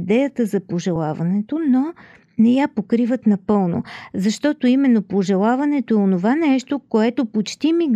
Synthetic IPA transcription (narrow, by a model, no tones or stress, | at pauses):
d̪ɛjət̪əzɐpoʒɛlˠavɐnɛt̪ono | nɛjapokɾivət̪nɐpɤlˠno̰zɐʃt̪ɔt̪oimɛnːopoʒɛlˠavɐnɛt̪oɛonovanɛʃt̪okoɛt̪opot͡ʃt̪imi